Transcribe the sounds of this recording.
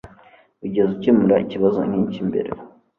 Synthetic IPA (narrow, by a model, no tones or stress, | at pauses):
uɟezucimuɾa̰ḭciβazṵɲit͡ʃimbḛɾḛ